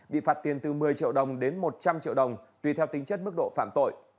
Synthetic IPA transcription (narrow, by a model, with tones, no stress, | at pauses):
ɓḭ˧˨faː˨˩t̚t̪i˨˩ənt̪ɨ˨˩mɨ˨˩əjt͡ɕḭ˧˨əwɗə˨˩wŋ͡mɗe˨˦nmo˨˩t̚t͡ɕa˧mt͡ɕḭ˧əwɗə˨˩wŋ͡mt̪wi˨˩t̪ʰɛ˧wt̪ï˨˦ŋ̟t͡ɕə˦˥t̚mɨ˦˥k̚ɗo̰˧˨faː˧˩mt̪o̰˧˨j